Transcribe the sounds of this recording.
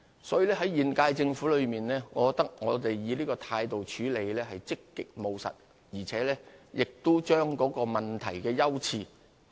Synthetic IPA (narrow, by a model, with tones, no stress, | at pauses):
sɔː˨˦˥ji˨˧lɛː˥ɦɐ˨˥jiː˨˩nkaː˧jt͡sɪ˧ŋfu˨˥lɵ˨˧ɥmiː˨nɛː˥ŋɔː˨˧kɔ˨˧k̚t̪ɐ˥k̚ŋɔː˨˧t̪e˨jjiː˨˧liː˥kɔː˧t̪ʰaː˧jt̪o˨wt͡ʃʰyː˨˥le˨˧jlɛː˥ɦɐ˨jt͡sɪ˥kːɪ˨k̚mo˨˧wsɐ̰˨t̚ | jiː˨˩t͡sʰɛː˨˥lɛː˥jɪ˨k̚t̪o˥wt͡ʃœː˥ŋkɔː˨˥kɔː˧mɐ˨˩nt̪ʰɐ̰˨˩jkɛː˧jɐ˥wt͡sʰiː˧